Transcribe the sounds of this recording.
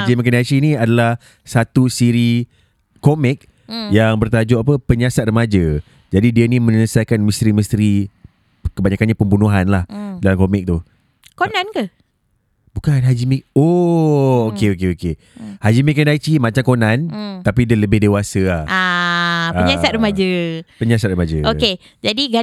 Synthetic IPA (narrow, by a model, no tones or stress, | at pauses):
ad͡ʒimik̬əndajt͡ʃiniadalah | sat̪usiɾi | komɪk̚ | jaŋbərt̪ad͡ʒɔʔapəpəɲasat̪̚rəmad͡ʒə | d͡ʒadidiənimə̃ɲəəsajkanmə̃st̪ɾimə̃st̪ɾi | kəbaɲakanɲapəmbunuɦanlahdalamkomɪk̚t̪u | konãnkə | bukanɦad͡ʒimik̚o | okeokeoke | had͡ʒimikːandat͡ʃimãt͡ʃamkonãnt̪apidələbɪhdewasəahʔa | aəɲasat̪̚rəmad͡ʒəpəɲasat̪̚rəmad͡ʒəʔoke | d͡ʒadiɡa